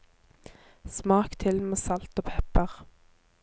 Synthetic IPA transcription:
smɑːkt̪ʰɪlmeːsɑlt̪oːpʰɛpəʁ

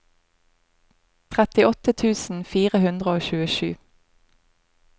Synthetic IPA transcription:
t̪ʰʁɛt̪ɪɔt̪ət̪ʰʉːsn̩fiːʁəhʉnd̪ʁəoːçʉːəʃʉ̰ː

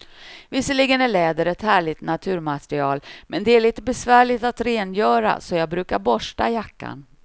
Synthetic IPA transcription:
vɪsːəliːɡənæɭɛːd̪əɾɛt̪hæːɭɪt̪nat̪ʰʉ̟ːɾmat̪ɾɪɑːlmɛnd̪ɛæɭiːt̪əbɛsvæːɭɪt̪at̪ɾeːnjœːɾa̰sɔjɑːɡ̚bɾʉ̟ːkaɾbɔʂʈa̰jakːa̰n

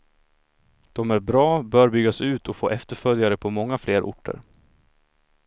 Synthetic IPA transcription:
d̪̥ɔmæɾbɾɑːbœːɾbʏɡːasʉ̟ːt̪ʰɔfo̰ːʔɛft̪əɾfœljaɾəpʰɔmɔŋːafleːɾʔʊ̰ʈʰːə̰ɾ

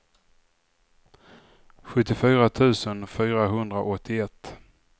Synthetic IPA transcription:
ɧɵt̪ːɪfyːɾat̪ʰʉ̟ːsənfyːɾaɦɵnd̪ɾaʔɔt̪ʰːɪɛt̪ː

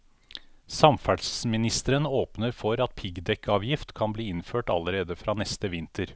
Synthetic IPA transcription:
sɑmfæɖsmɪnɪst̪əɾənoːpnəɾfɔɾɑt̪̚pʰɪɡd̪ɛkʰːɑːʋjɪft̪kʰɑnbliːɪnføːʈɑ̰ləɾeːd̪əfɾɑːnɛst̪əʋɪnt̪əɾ

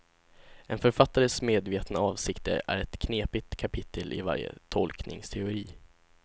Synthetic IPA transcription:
ɛnfœɾfat̪ːaɾəsmeːd̪veːt̪naɑːvsɪkt̪ə̰ɾæ̰ɾɛt̪kʰneːpɪt̪kʰapʰɪt̪ʰːəlʔɪ̰va̰ɾjə̰t̪ʰɔlknɪ̰ŋst̪ʰɛʊɾiː

